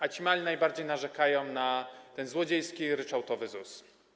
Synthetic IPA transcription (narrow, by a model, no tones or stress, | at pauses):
at͡ɕimalʲinajbaɾd͡ʑejnaʐɛkajɔ̃w̃nat̪ɛnzwɔd͡ʑejskʲiɾɘt͡ʂawt̪ɔvɘzus